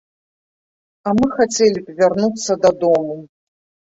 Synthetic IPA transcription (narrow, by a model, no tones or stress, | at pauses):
amɨxat͡sʲɛlʲipʲvʲarnut̪sːɐd̪ɐd̪ɔmu